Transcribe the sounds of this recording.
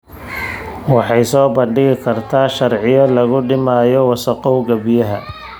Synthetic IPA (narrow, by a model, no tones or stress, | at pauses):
wɑħɑjsɔːbɐɳɖɪɣɪkʰɐrt̪ʰaːʃɐrʕɪjɐlɐɣʊɖɪmaːjɔwɑsɐqɔwɡɐbɪjɐɦɐ̰